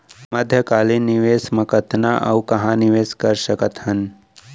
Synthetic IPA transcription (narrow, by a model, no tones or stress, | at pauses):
mɐd̪ʱjəkaːliniʋeːsmɐkət̪ʰnaʔɐ̰wkɐɦãnɪʋeːskɐɾsəkət̪hɐn